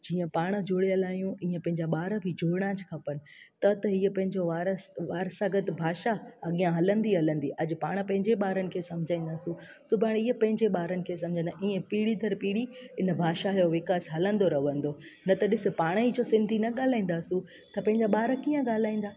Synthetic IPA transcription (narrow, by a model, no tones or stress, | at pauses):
d͡ʑiːə̃paːɽ̃ə̆d͡ʑʊɽeəlaːijũʔiːə̃pɐ̃ɦɪ̃ɲd͡ʑaɓaːɾəbʱid͡ʑʱoːɽ̃ad͡ʑkʰɐpənɪ̆t̪ɐt̪ɐɦiːəpɐ̃ɦɪ̃ɲd͡ʑoʋaːɾəsʋaːɾsaɡɐt̪bʱaːʃaɐɠijãɦɐlə̃nd̪iɦɐlə̃nd̪iʔɐd͡ʑ̆paːɽ̃pɐ̃ɦɪ̃ɲd͡ʑeɓaːɾənɪ̆kʰeːsɐmd͡ʑʱaːĩːn̆d̪aːsũ | sʊbʱaːɽiːəpɐ̃ɦɪ̃ɲd͡ʑeɓaːɾənɪ̆kʰeːs̬ɐmd͡ʑʱə̃nd̪aʔiːẽpiːɽid̪ʱɐɾpiːɽiɪnbʱaːʃajoʋɪkaːsɦɐlə̃nd̪oɾɐʋə̃nd̪o | nɐt̪ɐɗɪsɪ̆paːɽ̃id͡ʑoːsɪ̃nd̪ʱinɐɠaːl̤aːĩːn̆d̪aːsũ | t̪ɐpɐ̃ɦɪ̃ɲd͡ʑaɓaːɾəkiːə̃ɠaːl̤aːĩːn̆d̪aː